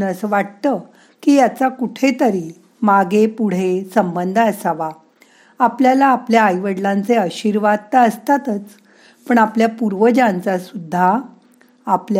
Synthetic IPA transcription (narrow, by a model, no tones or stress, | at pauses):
əsəʋaʈt̪ə | kiːjat͡sakuʈʰet̪əɾi | maɡepuɽ̤esəmbənd̪ʱəəsaʋa | apljalaːpljaːjʋəɽlãnt͡seəɕiɾʋad̪̚t̪aəst̪at̪ət͡s | pəɳapljapuɾʋəd͡ʑãnt͡sasud̪ʱːaː | pl